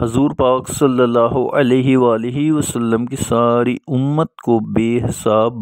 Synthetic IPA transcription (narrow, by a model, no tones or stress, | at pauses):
ɦɐzuːɾpaːksɐlːəlːaːɦoʔɐleːɦiʋaːlɪɦiʋɐsəlːəmkisaːɾiʊmːət̪̚kobeːɦɪsaːb